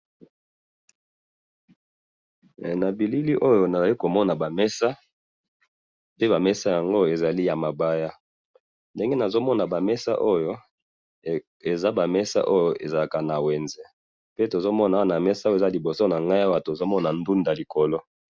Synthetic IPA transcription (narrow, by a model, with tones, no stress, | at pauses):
na˨bi˨li˦li˦ʔo˦jo˨na˨za˨ki˦ko˨mɔ˦na˨ba˨mɛ˦sa˦ | pe˦ba˨mɛ˦sa˦ja˨ŋɡo˦˨e˨za˨li˦ja˨ma˨ba˦ja˦ | nde˦ŋɡe˦na˨zo˦mɔ˦na˨ba˨mɛ˦sa̰˦ʔo˦jo˦ | e˨za˦ba˨mɛ˦sa̰˦ʔo˦jo˨ʔḛ˨za˨la˨ka˨na˨wɛ˨nzɛ˦ | pe˦to˨zo˦mɔ˦na˨˦na˨mɛ˦sa˦˨za˦li˨bo˨so˦na˨ŋɡa˦jo˦a˨to˨zo˦mɔ˦na˨ndu˦nda˨li˨ko˨lo˦